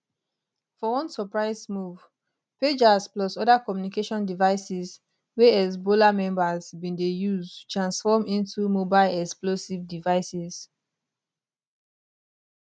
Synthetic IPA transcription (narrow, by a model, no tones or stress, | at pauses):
fɔwɔ̃nsɔpɹaɪsmuv | ped͡ʒasplɔsɔdakɔmjunikeʃɔ̃ndivaɪsis | weɛs̬bolamɛ̃mbazbĩndejuzutɹãnsfɔmĩntumobaɪlɛksplosivdivaɪsiz̥